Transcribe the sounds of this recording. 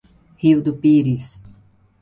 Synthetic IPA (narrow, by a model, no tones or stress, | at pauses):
hiwd̪upiɾis